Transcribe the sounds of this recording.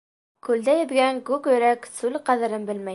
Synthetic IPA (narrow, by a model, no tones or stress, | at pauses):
kʉld̪æjɘ̆bɡæŋkʉkjɵ̆ɾæksʉlqæðɘ̆ɾɤnbɘlmæj